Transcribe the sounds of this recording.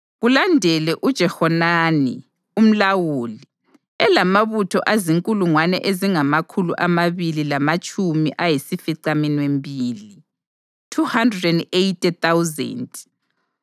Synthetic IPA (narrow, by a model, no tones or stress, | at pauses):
ɣulandʱɛlɛʔud̥ʒ̥ʱɛhɔnaːnḭ | um̩lawuːli | ɛlamaβutʰɔ̰ʔaziŋkʼuluŋwanɛ̰ʔeziŋamakʰulṵʔamaβililamat͡ʃʼumiʔajisifiǀaminwembʱiːli | tʰuhandrɛdɛndejtʼɛt̪awzɛ̰nd